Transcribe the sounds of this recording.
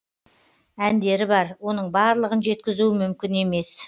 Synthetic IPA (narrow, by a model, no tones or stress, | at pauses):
ænd̪e̞ɾɪbɑɾwo̞nəɴbɑɾlˠəʁənʒe̞t̪̚kʲɪzuɪmʏmkʲɪne̞me̞s